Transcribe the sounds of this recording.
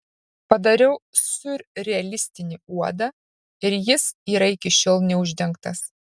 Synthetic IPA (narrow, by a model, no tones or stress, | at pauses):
pɐd̪ɐɾʲɛʊsʊɾʲɾʲɛɛlʲɪsʲt̪ʲɪnʲɪuɔd̪ɐ | ɪɾjɪsiːɾɐɪkʲɪʃʲoːlˠnʲɛʊʒʲd̪ʲɛŋkt̪ɐs